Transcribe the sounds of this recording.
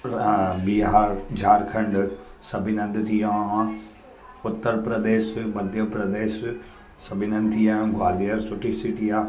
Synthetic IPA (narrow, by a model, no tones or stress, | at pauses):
biɦaːɾd͡ʑʱaːɾkʰɐ̃ɳɖsɐbʱɪnɐ̃nd̪t̪ʰijãː | ʊt̪ːəɾpɾɐd̪eːʃmɐd̪ʱjəpɾɐd̪eːʃ | sɐbʱɪnə̃nd̪t̪ijãːɡʱwaːliəɾsʊʈʰisiʈijãː